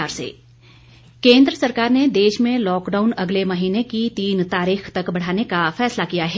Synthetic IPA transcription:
aːɾsḛː | kẽːnd̪ɾəsɐɾkaːɾned̪eːʃmẽlɔːkɖaːʊnɐɡlemɐɦiːnekit̪iːnt̪aːɾiːxt̪ɐkbɐɽ̤aːnekafɛːslakijaɦɛː

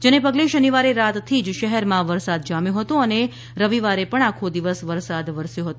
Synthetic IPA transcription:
d͡ʒenepəɡleʃəniʋaɾeɾat̪t̪ʰid͡ʒʃəɦɛɾmãʋəɾsad̪̚d͡ʒamjõɦət̪oəne | ɾəʋiʋaɾepəɳ̃akʰod̪iʋəsʋəɾsad̪ʋəɾsjoɦət̪o

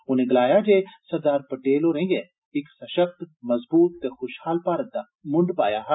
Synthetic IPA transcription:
ʊnẽɡɐlaːjad͡ʒeːsɐɾd̪aːɾpɐʈeːloɾɦẽːŋɡe | ɪksɐʃəkt̪mɐzbuːt̪̚ːexʊʃhaːlpaːɾət̪̚d̪a | mʊ̃ɳɖpa̰ːjaɦa

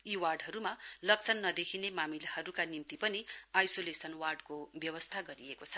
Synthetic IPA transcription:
iwarɖɦʌɾumalʌk̚t͡sʰʌnːʌd̪ekʰinemamilhʌɾukanimt̪ipʌniajsolesʌnwarɖkobjʌwʌst̪ʰaɡʌɾiekot͡sʰʌ̥

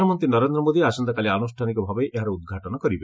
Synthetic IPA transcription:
ɔmɔnt̪inɔɾend̪ɾɔmod̪iasɔnd̪akalianusʈʰanikɔbʱabɔjʔeɦaɾɔud̪̚ɡʱaʈɔnɔkɔɾibe

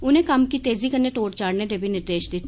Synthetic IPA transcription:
ʊnẽkɐmkit̪eːzikɐɾneʈoːʈt͡ʃaːɽned̪ebʱinɪɾt̪eːʃd̪it̪ʰ

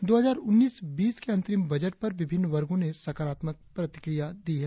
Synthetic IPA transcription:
d̪oːɦɐzaːɾʊnːiːsbiːskeɐ̃nt̪ɾɪmbɐd͡ʒəʈ̚pɐɾʋɪbʱɪnːʋɐɾɡõnesɐkaːɾaːt̪mək̚pɾɐt̪ɪ̥kɾijad̪iːɦɛ

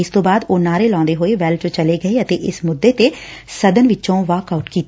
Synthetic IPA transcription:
ɪst̪õːbaːd̪oːnaːɾeːlɔ̃ːnd̪eːɦoːeːʋɛːlt͡ʃt͡ʃəleːɡəeːət̪eːʔɪsmʊd̪ːeːt̪eː | səd̪ənʋɪt͡ʃːt͡ʃõːʋaːkaːʊʈkiːt̪e

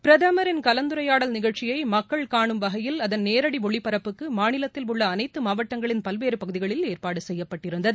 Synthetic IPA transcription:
pɪɾɐðɐmɐɾɪnkɐlɐnd̪ɯɾɐjaːɽɐlnɪɣɐɭt͡ʃɪjɐɪmɐkːɐɭkaːɳɯmʋɐɣɐjɪlɐðɐnneːɾɐɽiʋɔɭːipːɐɾɐpːɯkːɯmaːnɪlɐt̪ːɪlʊɭːɐːnɐɪt̪ːɯmaːʋɐʈːɐŋɡɐɭɪnpɐlʋeːɾɯpɐɣɯðɪɣɐɭɪleːrpaːɽɯsɛjːɐpːɐʈːɪɾɯnd̪ɐðɯ

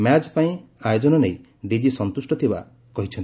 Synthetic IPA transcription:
mjat͡ʃpaĩajod͡ʒɔnɔnej | ɖid͡ʒisɔnt̪usʈɔt̪ʰiba̰ | kɔɦit͡ʃʰɔn

